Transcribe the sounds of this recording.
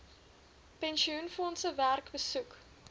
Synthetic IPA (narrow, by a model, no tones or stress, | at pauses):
pɛnʃiunfɔnsəværkbəsuk